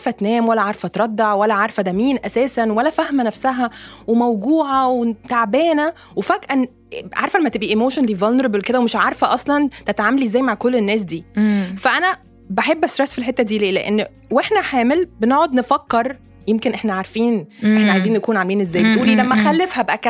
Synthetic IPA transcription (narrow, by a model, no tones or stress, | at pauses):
aɾfæt̪næːmwælːæʕaɾˤfæt̪ɾˤɑd̪ːɑʕwælːæʕaɾˤfæd̪æːmiːnʔæsæːsænwælːæfæhmænæfsæɦæwemæwɡuːʕɑwet̪aʕbæːnæ | wefæɡʔæn | ʕa̰ɾfælæmːæt̪ebʔiʔemoːʃonliːvɑlnɾɑblked̪æwemeʃʕaɾˤfæʔɑsˤlɑnt̪æt̪ʕaːmæliezːæːjmaʕkolːenːæːs̬d̪iːfæʔænæ | bæħebːʔæst̪ɾesːfilħet̪ːæd̪iːleːlḛʔenː | weħnæħaːmelbeneʕod̪nefɑkːeɾˤ | jemkenʔeħnæʕaɾˤfiːnʔeħnæʕajziːnjækuːnʕamliːnezːæːjbbet̪ʔuːlilæmːæxælːefhæbæʔækæ